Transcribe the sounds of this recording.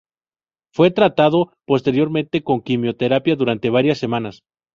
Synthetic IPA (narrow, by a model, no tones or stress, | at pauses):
fwe̞t̪ɾat̪aðo̞po̞st̪e̞ɾjo̞ɾmẽnt̪e̞ko̞ŋkimjo̞t̪e̞ɾapjaðuɾant̪e̞βaɾjasːe̞mãnas